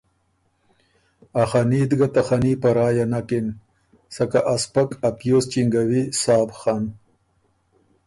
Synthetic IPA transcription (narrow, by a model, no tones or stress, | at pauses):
axaniːd̪ɡat̪axanipaɾɑːjanakɪn | sakaʔaspakapjoːst͡ʃiŋɡawisɑːbxan